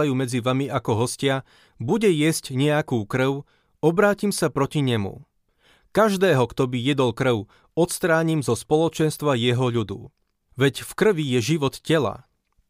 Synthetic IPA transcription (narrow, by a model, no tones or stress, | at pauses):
ajuːmɛd͡ziʋamiʔakɔɦɔscɪa | buɟɛjɪɛscɲɛakuːkr̩ʊ | ɔbɾaːcimsapɾɔciɲɛmṵ | kaʒd̪ɛːɦɔkt̪ɔbijɛd̪ɔlkr̩ʊ | ɔt̪st̪ɾaːɲimzɔspɔlɔt͡ʃɛnst̪ʋajɛɦɔʎud̪ṵ | ʋɛcfkr̩ʋijɛʒiʋɔt̪cɛla̰